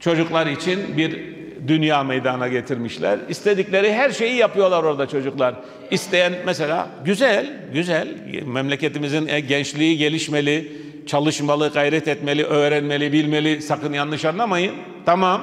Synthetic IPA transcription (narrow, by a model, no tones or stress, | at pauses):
t͡ʃʰo̞d͡ʒuklˠaɾit͡ʃʰinbiɾ | d̪ynjaːmejd̪anaɟet̪ʰiɾmiʃlʲæ̰ɾist̪ʰed̪iclʲe̞ɾiɦæɾʃe̞jijapɯjo̞lˠaɾo̞ɾad̪at͡ʃʰo̞d͡ʒuklˠaɾ | ist̪ʰe̞jænmɛse̞lʲa̰ːɟyzælʲ | ɟyzælʲ | mɛmlʲece̞t̪imizinɛɟɛnt͡ʃlʲiːɟe̞lʲiʃme̞lʲi | t͡ʃʰalˠɯʃmalˠɯɡajɾɛt̪ɛt̪me̞lʲiʔøːɾɛnme̞lʲibilʲme̞lʲisakɯnjanːˠɯʃanlˠamajɯn | t̪ʰamam